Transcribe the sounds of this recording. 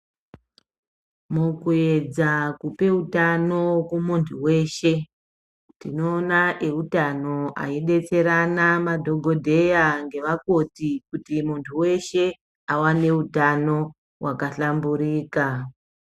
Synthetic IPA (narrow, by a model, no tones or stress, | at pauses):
mukue̞d͡zakupe̞utano̞kumuntʰuwe̞ʃe̞ | tinoːnaʔe̞utano̞a̰iɗe̞t͡se̞ɾanamadʱo̞ɡʱo̞dʱe̞jaŋɡe̞ʋako̞tikutimuntʰuwe̞ʃe̞ | awane̞utano̞ | wʔakaɬambuɾiːka